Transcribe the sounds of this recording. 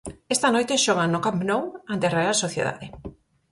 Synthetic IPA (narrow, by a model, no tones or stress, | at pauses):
est̪anojt̪eʃɔɣ̞anʊkapnowãnt̪erealsoθjḛða̰ðe